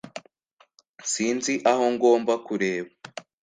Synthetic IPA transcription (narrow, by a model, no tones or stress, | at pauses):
nsiːnziʔaho̞ŋɡo̞ːmbakuɾe̞ːβa